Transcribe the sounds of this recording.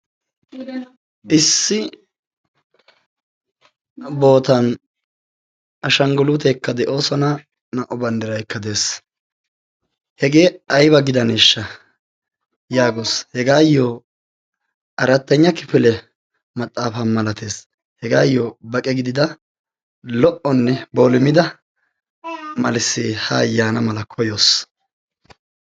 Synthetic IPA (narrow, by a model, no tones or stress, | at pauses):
ʔɪsːɪ | bo̞ːt̪ɐn | ʔɐʃɐŋɡɔlut̪ɛkːɐd̪ɛʔo̞ːsɔnɐ | nɐʔɔbɐnd̪ɪɾɐjkːɐd̪e̞ːs | hɛɡe̞ːɐjbɐɡɪd̪ɐneːʃːɐ | jaːɡoːshɛɡaːjːoː | ʔɐɾɐt̪ːɐɲːɐkɪfɪlɛ | mɐt̪ʼːaːfɐmɐlɐt̪e̞ːs | hɛɡaːjːoːbɐkʼɛɡɪd̪ɪd̪ɐ | lɔʔɔnːɛbo̞ːlɪmɪd̪ɐ | mɐlɪsːiːhɐːjːaːnɐmɐlɐkʰɔjoːs